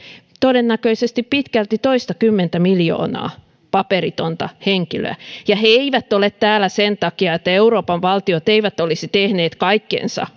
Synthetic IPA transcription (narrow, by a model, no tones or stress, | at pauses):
t̪odenːækøisest̪ippit̪kælt̪it̪oist̪ɑkymːent̪æmiljo̰ːnɑ̰ː | pɑperit̪ont̪ɑ̰heŋkilø̰æ̰jɑheeiʋæt̪ːolet̪t̪æːlæsent̪ɑkiɑet̪ːæeuroːpɑʋʋɑlt̪iot̪eiʋæt̪olisit̪ehneːt̪kɑikːḛnsɑ̰